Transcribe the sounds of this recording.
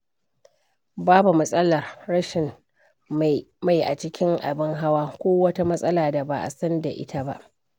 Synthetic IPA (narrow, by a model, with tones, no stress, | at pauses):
baː˦bu˨mɐ˦sʼɐ˦lɐ˨rːɐ˦ʃɪ˨m | ma˨jʔa̰˨t͡ʃɪ˦kʲɪ˦ŋʔa̰˨bɪ˦ŋɦa˦waː˦kʷoː˦wɐ˦ta˦mɐ˦sʼɐ˦laː˨da˨ba˨ʔa̰˨sɐ˦nda˨ʔɪ̰˦ta˦ba̰˦ʔ